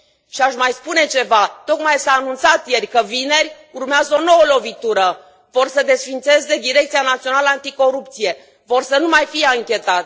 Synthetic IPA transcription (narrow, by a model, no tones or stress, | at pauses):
ʃiaʃmajspune̞t͡ʃe̞vat̪o̞kmajsaːnunt̪sat̪je̞rʲkəvine̞rʲ | urmeazəo̞no̞wəlo̞vit̪uɾə | vo̞rsəd̪e̞sfint̪se̞zd̪e̞d̪iɾe̞k̚t̪sianat̪sio̞naləant̪iko̞ɾupt̪sije̞ | vo̞rsənumajfijeaŋkʲe̞t̪at̪